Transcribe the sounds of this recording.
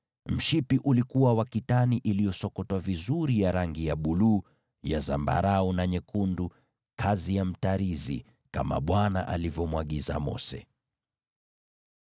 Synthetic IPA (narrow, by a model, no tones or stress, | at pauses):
m̩ʃipiʔulikuwawakitaniʔilijɔsɔkɔtwavizuɾijaɾaŋɡijaɓuluː | jaza̰mba̰ɾaɔnaɲɛkundu | kʰazijam̩taɾizḭ | ka̰ma̰ɓwana̰ʔa̰livjɔmwaɠiza̰mɔ̰sɛ̰